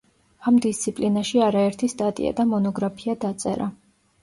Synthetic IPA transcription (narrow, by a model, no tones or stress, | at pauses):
amd̪ist̪sʰipʼlinaʃiaɾaɛɾt̪ʰist̪ʼat̪ʼḭa̰d̪amɔnɔɡɾapʰiad̪at̪sʼɛ̰ɾa